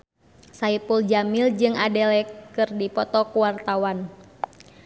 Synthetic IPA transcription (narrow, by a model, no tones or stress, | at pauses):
saipuld͡ʒamild͡ʒɨŋadɛlɛkkɨrdipɔt̪ɔkuwart̪awan